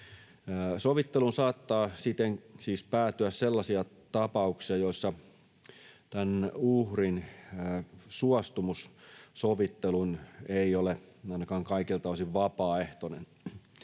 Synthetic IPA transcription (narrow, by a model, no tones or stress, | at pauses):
soʋit̪ːelunsɑːt̪ːɑːsit̪ːensiːspæːt̪yæsselːɑsiɑ | t̪ɑpɑuksiɑjoisːɑ | t̪ænuhrinː | suɑst̪umussoʋit̪ːeluneioleɑinɑkɑːŋkɑikilt̪ɑʋˑosiʋʋɑpɑːeht̪onḛn